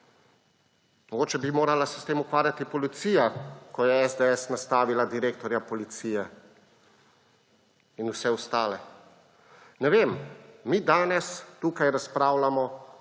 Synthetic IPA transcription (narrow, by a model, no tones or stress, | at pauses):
mɔɡoːt͡ʃɛbimoːɾalasɛ̥st̪eːmukʋaːɾjat̪ipɔlit̪siːjakɔjɛɛzd̪eɛsnast̪aːʋilad̪iɾeːkt̪ɔɾjapɔlit̪siːjɛ | inusɛwst̪aːlɛ | nɛʋeːmːiːd̪aːnɛst̪ukajɾaspɾaːwlamɔ